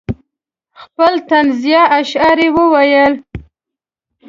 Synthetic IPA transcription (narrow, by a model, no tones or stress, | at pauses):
xpəlt̪anzijɑʔaʃɑɾewəwajəl